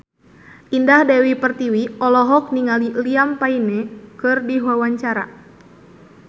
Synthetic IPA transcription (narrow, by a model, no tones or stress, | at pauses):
ʔindahdɛwipərt̪iwiɔlɔɦɔk̚niŋaliliampainɛkɨrdiɦwawaɲt͡ʃaɾa̰